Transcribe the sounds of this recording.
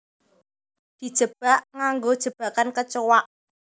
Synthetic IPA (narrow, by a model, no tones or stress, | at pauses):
d̪̥i̤d̥ʒ̥ə̤b̥a̤ʔŋaŋɡod̥ʒ̥ə̤b̥a̤kankət͡ʃowaʔ